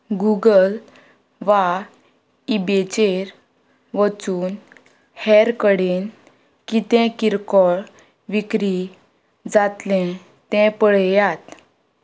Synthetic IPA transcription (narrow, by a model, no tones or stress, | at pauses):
ɡuɡəl | ʋa | ibet͡ɕeɾ | ʋət͡suːn | hɛɾkəɽen | kit̪ɛ̃kiɾkɔɭ | ʋikɾi | d͡zat̪lɛ̃ | t̪ɛ̃pəɭejat̪